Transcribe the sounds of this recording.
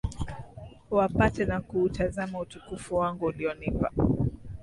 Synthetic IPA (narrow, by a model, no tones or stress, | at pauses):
wapatɛnakuːtazamautukufuwaŋɡuːliɔnipa̰